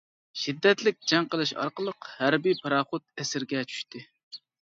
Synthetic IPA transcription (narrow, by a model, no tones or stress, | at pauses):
ʃid̪ːɛt̪lɪk̚ʲd͡ʒɛŋqəlˠɨʃɑ̰ɾqəlˠəqhæɾbipʰɑɾɑχʊt̪̚ɛsɪɾɡʲɛt͡ʃʰy̥ʃt̪ɪ